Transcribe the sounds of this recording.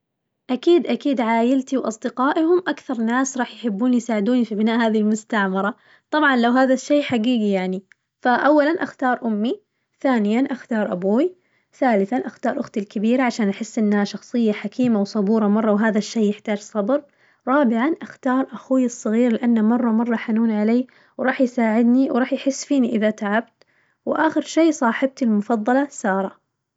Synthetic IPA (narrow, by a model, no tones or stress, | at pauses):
ʔakiːd̪ʔakiːd̪ʕaːjɪlt̪iwʔɑsˤd̪ɪqɑːʔhʊmʔakθɑɾˤnaːsɾˤɑːħjħɪbːuːnijsaːʕɪd̪uːnifibɪnaːʔhaːðihilmʊst̪aʕmɑɾˤɑ | t̪ˤɑbʕɑnlawɦaːðaʃːeːħaɡiːɡijaʕni | faʔawːalanʔaxt̪ɑːɾˤʔʊmːi | θaːnɪjanʔaxt̪ɑːɾˤʔa̰buːwi | θaːlɪθanʔaxt̪ɑːɾˤʔʊxt̪ɪlkɪbiːɾaʕaʃaːnʔaħɪsːʔɪnːhaʃɑxsˤɨjːaħakʰiːmawsˤɑbuːɾˤɑmɑrˤːɑwɦaːðaʃːeːjːɪħt̪aːd͡ʒsˤɑbɾ | ɾˤɑːbɪʕanʔaxt̪ɑːɾˤʔaxuːjɨsˤːɑɣiːɾlɪʔanːamɑrˤːɑmɑrˤːɑħanuːnʕaleː | wɾˤɑːħjsaːʕɪd̪niwɾˤɑːħjħɪsːfiːniʔɪðat̪aʕab̚t̪ | wʔaːxɪɾʃeːsˤɑːħɪb̚t̪ɪlmʊfɑðˤːɑlɑsɑːɾˤɑ